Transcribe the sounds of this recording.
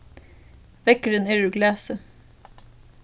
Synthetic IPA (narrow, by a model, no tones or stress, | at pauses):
ʋɛkəɖəneːɹʉɡlæːsə